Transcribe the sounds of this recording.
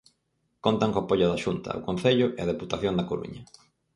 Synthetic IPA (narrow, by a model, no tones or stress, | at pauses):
kont̪aŋkoapoʎʊðaʃunt̪ɐ̰o̰kon̟θeʎʊʔeɐð̞eput̪aθjond̪ɐkoɾṵɲɐ